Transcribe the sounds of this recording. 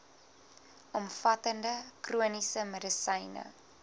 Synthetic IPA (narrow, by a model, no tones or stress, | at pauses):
ʔɔmfɐtəndəkruənisəmədəsəjnə̰